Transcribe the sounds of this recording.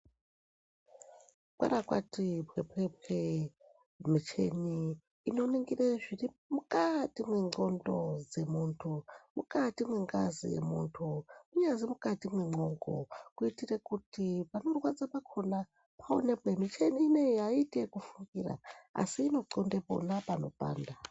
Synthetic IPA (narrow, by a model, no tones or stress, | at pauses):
ukwa̰ɾakwa̰tipwepwep̚we | mit͡ʃe̞̰niː | no̞niŋɡireʐiri | mukatimweŋ͡ǀo̞ndo̞d͡ze̞muːntʰumṵkatimweŋɡa̰zḭjḛmṵntʰuuɲazimukatimweŋ͡ǃo̞ŋɡo̰kuitirekutipanorwat͡sapakʰo̞na | pʰao̰nepwemit͡ʃeniːnejaitekufuŋɡira̰a̰siːno̞ǀondepo̞̰napano̞̰pa̰ːnda